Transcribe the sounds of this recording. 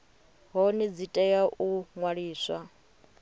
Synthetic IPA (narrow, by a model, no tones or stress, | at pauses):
ɦɔnid͡zitʼɛjaʔuŋwaɺiːswa